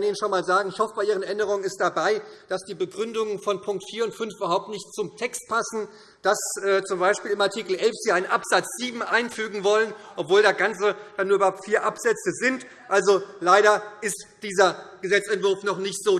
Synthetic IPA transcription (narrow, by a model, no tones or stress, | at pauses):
niːnənʃonmaːlzaːɡŋ̩ɪçhɔfəb̥aɪʔiːʁ̞ənʔɛndəʁʊŋənɪstd̥abaɪd̥asd̥iːbəɡʁʏndʊŋənfɔnpʰʊŋktfiːɐʊntfʏnfʔybɐɦaʊp̚tnɪçtt͡sʊmtʰɛkst̚pʰasn̩ | d̥asʔɛːt͡sʊmbaɪʃpiːlɪmaɐtʰiːkl̩ʔɛlfz̥iːɐaɪnənʔapz̥at͡sz̥iːbm̩ʔaɪnfyːɡŋ̩vɔlənʔɔpv̥oːldasɡ̥ant͡səd̥anːuːɐybɐhaʊp̚tfiːɐʔapz̥ɛt͡səzɪnt | ʔalzolaɪɾɐʔɪstd̥iːzɐɡ̥əzɛt͡sɛntv̥ʊɐfnɔχnɪçtz̥oː